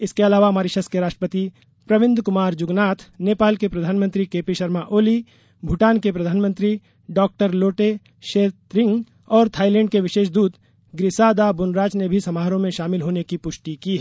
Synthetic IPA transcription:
ɪskeɐlaːʋamaːɾiʃəskeɾaːʃʈɾəpət̪i | pɾɐʋɪ̃nd̪kʊmaːɾd͡ʒʊɡnaːt̪ʰneːpaːlkepɾɐd̪ʱaːnmə̃nt̪ɾikeːpiʃɐɾmaʔoːli | bʱʊʈaːnkepɾɐd̪ʱaːnmə̃nt̪ɾi | ɖɔːk̚ʈəɾloːʈe | ʃeːt̪ɾɪ̃ŋɡ | ɔːɾt̪ʰaːilɛ̃ːɳɖkeʋɪʃeːʃd̪uːd̪ | ɡɾɪsaːd̪abʊnɾaːt͡ʃnebʱisɐmaːɦɾõmẽʃaːmɪlɦoːnekipʊʃʈikiɦɛː

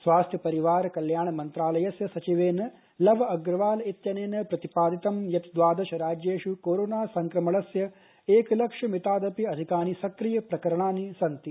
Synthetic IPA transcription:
sʋaːst̪ʰjɐpɐɾiʋaːɾɐkɐljaːɳɐmɐnt̪ɾaːlɐjɐsjɐsɐt͡ʃiʋeːnɐ | lɐʋɐɐɡɾɐʋaːlɐit̪jɐneːnɐpɾɐt̪ipaːd̪it̪ɐmjɐt̪d̪ʋaːd̪ɐʃɐɾaːd͡ʒeːʂukoːɾoːnaːsɐŋkɾɐmɐɭɐsjɐ | eːkɐlɐkʂɐmit̪aːd̪ɐpiɐd̪ʱikaːnisɐkɾijɐpɾɐkɐɾɐɳaːnisɐnt̪i

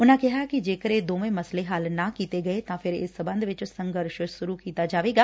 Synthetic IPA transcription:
ʊnãːkɪɦakid͡ʒeːkəɾed̪oːmẽːməsleɦaːlnãːkiːt̪eɡəet̪ãːpʰɪɾɪ̰sːəbə̃nd̪ʋɪt͡ʃsə̃ŋɡəɾʃsʊɾukiːt̪aːd͡ʒaːʋeːɡaː

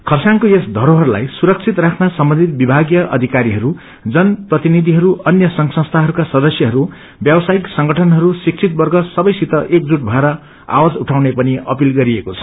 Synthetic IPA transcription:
kʰʌrsaŋkoesd̪ʱʌɾoɦʌɾula̰jsuɾʌk̚t͡sʰit̪rakʰnasʌmbʌ̃nd̪ʱit̪̚bibʱaɡjʌʔʌ̰d̪ʱikaɾiɦʌɾu | d͡zʌnprʌt̪inid̪ʱiɦʌɾuʌnjʌsʌŋsʌ̃st̪ʰaɦʌɾukasʌd̪ʌsjʌɦʌɾu | bjʌbʌsaiksʌŋɡʱʌʈʰʌnɦʌɾusik̚t͡sʰit̪̚bʌrɡʌsʌbʌjsit̪ʌʔek̚d͡zuʈ̚bʱʌeɾʌ | a̰wad͡zuʈʰawnepʌniʌ̰pilɡʌɾiekot͡sʰʌ̥

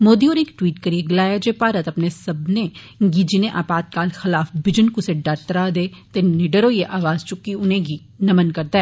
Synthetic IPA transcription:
moːd̪iɔːɾɪkʈwiːʈkɐɾieɡɪlaːjad͡ʒepaːɾət̪ɐpnesɐbne | ɡid͡ʒinẽʔa̰ːpaːt̪̚kaːlxɪlaːfbɪd͡ʒənkʊseɖɐɾt̪əɾad̪eːt̪enɪɖəɾoijeʔaːʋaːzt͡ʃʊkːiʊnẽɡi | nɐmənkɐɾd̪aɛː

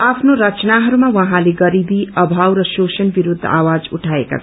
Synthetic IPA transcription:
apʰnoɾʌt͡snaɦʌɾumawʌɦãleɡʌɾibiʌbʱawrʌsosʌnbiɾud̪ʱːʌ̰ʔawad͡zuʈʰaeka̰t͡sʰ

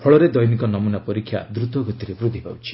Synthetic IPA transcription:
pʰɔɭɔɾed̪ɔjnikɔnɔmunapɔɾikʰːja̰d̪ɾut̪ɔɡʱɔt̪iɾebɾud̪ʱːiba̰wt͡ʃʰi̥

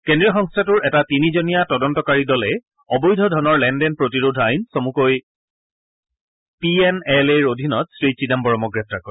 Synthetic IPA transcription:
kendɹijɔxɔŋstʰatuɹɛtatinizonijatɔdɔntɔkaɹidɔlɛ | ɔbɔjdʱɔdʱɔnɔɹlɛndɛnpɹotiɹodʱajnsomukoj | piɛnɛleɹodʱinɔtsɹisidambɔɹɔmɔkɡɹɛp̚takɔɹɛ

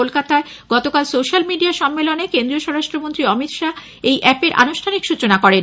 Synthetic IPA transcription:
olkat̪ae | ɡ̥ɔt̪okalsoʃalmiɖiaʃɔmːelonekend̪ɾioʃɔɾaʃʈɾomont̪ɾiɔmit̪ʃa | ejʔɛpeɾʔa̰nuʃʈʰanikʃut͡ɕonakɔɾen

